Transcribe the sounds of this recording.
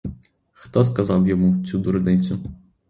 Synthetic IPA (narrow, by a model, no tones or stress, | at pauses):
xt̪ɔs̬kazawjɛmut͡sʲud̪uɾd̪ɛjʲt̪sʲu